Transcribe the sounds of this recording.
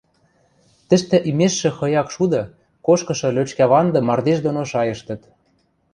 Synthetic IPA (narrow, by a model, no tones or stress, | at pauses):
t̪ə̆ʃt̪ɘ̆ʔimeʃːĕxɤ̆jɑkʃud̪ɤ̆ | koʃkɤ̆ʃɤ̆løt͡ɕkæβɑnd̪ɤ̆mɑrd̪eʃd̪onoʃɑjɤ̆ʃt̪ɤ̆t̪